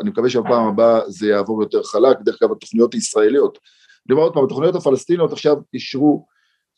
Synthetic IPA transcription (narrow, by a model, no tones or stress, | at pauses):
animekaveʃebapaːmabaze̞jaːvo̞ʁjo̞t̪e̞ʁχalak̚bd̪eχklalbat̪o̞χnijo̞t̪haisʁae̞lijo̞t̪ | nimaʁod̪̚pamat̪oχnijotafalest̪inio̞t̪aχʃaviʃʁu